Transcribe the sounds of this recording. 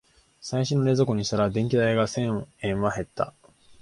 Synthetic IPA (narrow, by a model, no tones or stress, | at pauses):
saiɕinoɾe̞zoko̞ɲ̟iɕt̪aɾad̪ẽ̞ŋkʲid̪aiɡasẽ̞ẽ̞ɰ̃βaɦe̞t̪ːa̰